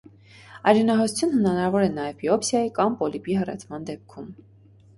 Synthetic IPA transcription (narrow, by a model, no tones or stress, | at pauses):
ɑjɾɛnɑɦɔsu̥t͡sʰjunəhənɑnɑɾɑvɔɾɛnɑjɛvbiɔpsjɑjikɑmpɔlibiɦərɛ̰t͡sʰmɑnd̪ɛp̚kʰum